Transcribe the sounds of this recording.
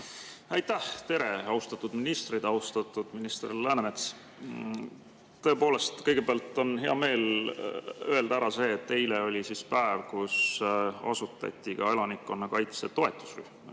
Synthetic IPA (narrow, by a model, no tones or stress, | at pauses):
ɑjt̪ːæht̪e̞ɾe̞ɑwst̪ɑt̪ːˑud̪̥minist̪rid̪̥ɑwst̪ɑt̪ːˑud̪̥minist̪rilæːnemet̪s | t̪ɤ̞e̞po̞ːle̞st̪kɤjɡ̥e̞beæɑlt̪ˑːo̞nɦe̞ɑme̞ːl | øe̞ld̪̥ɑæɾɑse̞ːt̪ːe̞jleo̞lʲisispæevkusɑ̰sut̪ːˑɑ̰t̪ʲːˑikɑe̞lɑnikːˑo̞nːɑkɑjt̪set̪o̞e̞t̪ːˑu̥sry̰hm